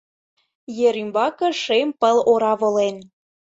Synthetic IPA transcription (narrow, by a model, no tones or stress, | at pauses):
jeɾymbɑkɤ̆ʃempəloɾɑβolen